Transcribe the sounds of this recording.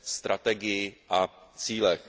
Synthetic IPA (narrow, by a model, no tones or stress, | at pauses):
st̪ɾʔat̪ɛɡɪjɪʔat͡siːlɛx